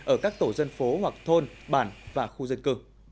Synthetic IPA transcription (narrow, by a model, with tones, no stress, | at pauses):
ʔəː˧˩kaː˦˥k̚t̪o˧˩zə˧nfo˨˦ɦwa˨˩k̚t̪ʰo˧nɓaː˧˩nvaː˨˩xu˧zə˧nkɨ˧˩